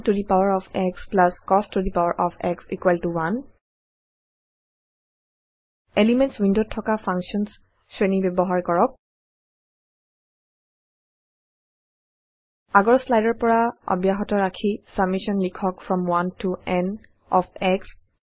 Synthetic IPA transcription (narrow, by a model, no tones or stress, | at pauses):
tudipawaɹɔfʰɛksplaskɔsttudipawaɹʔɔpʰɛksikwaltuwan | elimɛ̃ntswindod̚tʰːɔkapʰaŋsiɔns | sɹenibɛbɔɦaɹkɔɹɔk̚ | aɡɔɹslajdɔɹpɔɹaɔ̰bjaɦɔtɔɹakʰisab̚misɔnlikʰɔkfɹɔmwantʰuɛn | ɔfʰɛks